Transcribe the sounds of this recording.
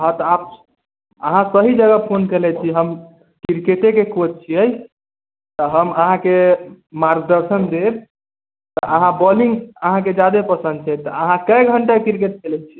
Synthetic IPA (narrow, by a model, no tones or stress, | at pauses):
ɦɔ̃t̪ɔab | əɦãsəɦid͡ʒəɡəpʰonkelɛt͡ʃʰiɦəm | kiɾkeʈekekot̪̚t͡ʃʰiəj | t̪əɦəməɦãke | maɾɡ̚d̪əɾsənd̪eb | t̪ɔʔəɦãbɔliŋɡəɦãk̬ed͡ʒad̪epəsə̃nd̪̚t͡ʃʰɛt̪ɔəɦãkəjɡʱəɳʈakiɾkeʈ̚kelɛt͡ʃʰi